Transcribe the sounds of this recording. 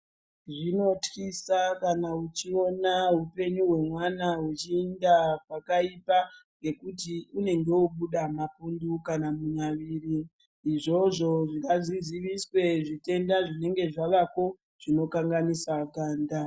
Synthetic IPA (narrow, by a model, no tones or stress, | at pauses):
ʐino̞tisakanaut͡ʃio̞naɦupe̞ɲuɦwe̞mwanaɦut͡ʃiːndapakaipaŋɡe̞kutiune̞ŋɡe̞uɓuɗamapundukanamuɲaʋiːriː | ʐo̞ʐo̞ʐikaziziʋiswe̞ʐite̞ndaʐine̞ŋɡe̞ʐaʋako̞ | ʐ̥ino̞kaŋɡanisakaːnda